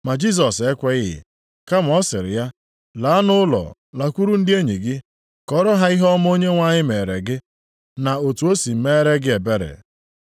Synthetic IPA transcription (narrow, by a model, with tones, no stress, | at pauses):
ma˨d͡ʒi˦s̬ɔ˨se˦kʷe˦ɪ˦ɦɪ̰˨ | ka˦m̩˨˦ɔ˦sɪ˨ɾɪ̰˨ja˦ | laː˨˦nʊ˦lɔ̰˨ | la˨kʷu˦ɾu˦n̩˦dɪ˦e˦ɲi˨ɡɪ˦ | kɔ˨˦ɾɔ˦ɦa˦i˦ɦɔ˦m˦o˦ɲe˦ŋʷa˦ɲɪ˦me˨ɾe˨ɡɪ˦ | na˨o˨tu˨o˦si˨m̩˦me˦ɾe˦ɡɪ˦e˨be˦ɾɪ̰˨